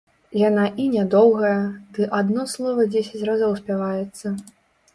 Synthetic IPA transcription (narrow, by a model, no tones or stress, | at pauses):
janaʔinʲɛd̪ɔwɣɐjɐd̪ɨʔad̪nɔslˠɔvɐd͡zʲesʲɐt͡sʲrazɔwsʲpʲavajɛt̪sːɐ